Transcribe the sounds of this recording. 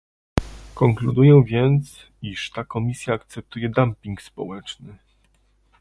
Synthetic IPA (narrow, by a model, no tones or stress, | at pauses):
kɔŋklud̪ujɛ̃vʲjɛnt̪s | iʂt̪akɔmʲisʲjaːkt̪sɛp̚t̪ujɛd̪ampʲiŋkspɔ̰wɛt͡ʂnɘ